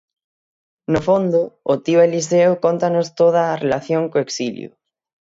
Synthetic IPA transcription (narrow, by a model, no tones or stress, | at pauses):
nofond̪ʊot̪iβaeliseokont̪anost̪oð̞aːrelaθjoŋkoeksilj̰ʊ̰